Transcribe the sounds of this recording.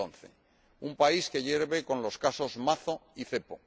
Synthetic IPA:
on̟θe̞̰ | umpaiske̞ʎe̞ɾβe̞kõ̞nlo̞skaso̞zmaθo̞iθe̞po̞

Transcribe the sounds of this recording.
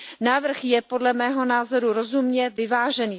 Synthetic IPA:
naːvr̩xjɛpo̞dlɛmɛːɦo̞naːzo̞ɾuɾo̞zumɲɛvɪvaːʒɛniː

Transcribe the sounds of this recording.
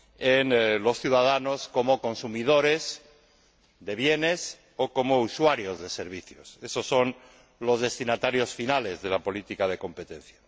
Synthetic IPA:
enlo̞sθjuðaðano̞sko̞mo̞ko̞nsumið̞o̞ɾe̞s | d̪e̞β̞je̞ne̞s | oko̞mouswaɾjo̞zðe̞se̞ɾβ̞iθjose̞so̞sːo̞n | lo̞zðe̞st̪inat̪aɾjo̞sfinale̞zðe̞lapo̞lit̪ikað̞e̞ko̞mpe̞t̪ẽ̞n̟θja

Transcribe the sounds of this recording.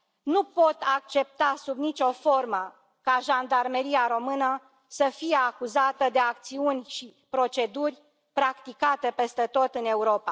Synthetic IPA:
nupo̞t̪ak̚t͡ʃe̞p̚t̪asubnit͡ʃo̞fo̞rmə | kaʒand̪armeɾiaɾo̞mɨnə | səfijeakuzat̪əd̪e̞ak̚t̪siunʲʃipɾo̞t͡ʃe̞d̪urʲ | pɾakt̪ikat̪e̞pe̞st̪e̞t̪o̞t̪ɨne̞uɾo̞pa̰

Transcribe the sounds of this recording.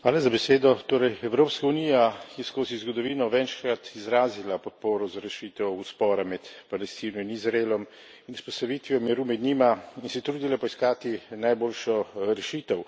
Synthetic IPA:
xʋaːlazabɛseːd̪ɔt̪oːɾɛjɛwɾoːpskaunijakjɛskoːzizɡɔd̪ɔʋiːnɔʋɛnʃkɾat̪izɾaːzilapɔt̪̚poːɾɔzaɾɛʃiːt̪ɛwuspɔːɾamɛt̪palɛst̪iːnɔinizɾaelɔm | inuspɔst̪aʋiːt̪ʋiɔmɛɾuːmɛd̪ɲiːmainsɛt̪ɾuːd̪ilapɔiskaːt̪inajboːlʃɔɾɛʃiːt̪ɛw

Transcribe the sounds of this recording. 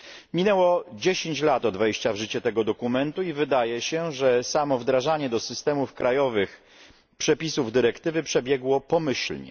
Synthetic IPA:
mʲinɛwɔd͡ʑeɕeɲt͡ɕlat̪ɔd̪vɛjɕt͡ɕavʐɘt͡ɕɛt̪ɛɡɔd̪ɔkumɛnt̪uivɘd̪ajɛɕɛʐɛsamɔvd̪ɾaʐaɲɛd̪ɔsɘst̪ɛmufkɾajɔvɘx | pʂɛpʲisuvd̪ɘɾɛkt̪ɘvɘpʂɛbʲjɛɡwɔpɔmɘɕlɲɛ̰

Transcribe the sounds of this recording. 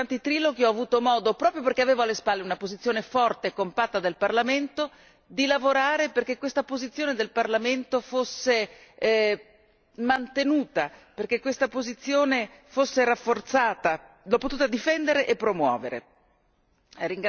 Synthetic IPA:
ant̪it̪ɾiːloɡiɔavuːt̪omɔːd̪opɾɔːpɾjoperkeaveːvoalːespalːeunapozit̪sːjoːnefɔrt̪eːkːompat̪ːad̪elparlament̪o | d̪ilavoɾaːɾeperk̟ekːwest̪apozit̪sːjoːned̪elparlament̪ofosːe | mant̪enuːt̪aperk̟ekːwest̪apozit̪sːjoːne | fosːeɾafːort̪saːt̪a | lopːot̪uːt̪ad̪ifɛnd̪eɾeʔepːɾomwɔ̰ːveɾḛ | ɾiŋɡ

